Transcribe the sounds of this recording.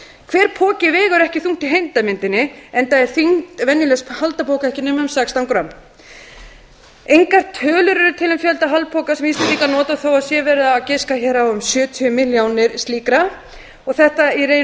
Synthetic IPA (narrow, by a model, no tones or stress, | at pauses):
kʰvɛːɾ̥pʰɔːcɪvɛːɣʏɾɛhcɪθuŋ̥t̪ɪɦejnt̪amɪnt̪ɪnːɪɛnt̪aɛɾ̥θiŋ̥t̪vɛnjɪlɛshalt̪apʰɔːwkaɛhcɪnɛːmaʏmsakst̪aŋkɾam | ejŋkar̥t̪ʰœːlʏɾʏɾʏt̪ʰɪlʏmfjœlt̪aɦalpʰɔːkasɛminst̪ɪliːkanɔːt̪aθowasjɛvɛɾðaːcɪskaçɛɾawʏmsjœːt̪ʰiʏmɪljaːwnɪɾ̥st̪iːkɾa | ɔɣθɛht̪aiɾe